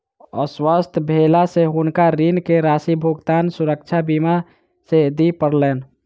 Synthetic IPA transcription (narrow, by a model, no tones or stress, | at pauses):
ɔ̰swəst̪ʰbʱelaseɦunkaɾinkeɾasibʱuɡt̪aːnsuɾək̚t͡ʃʰabima | sed̪ipəɾlɛːn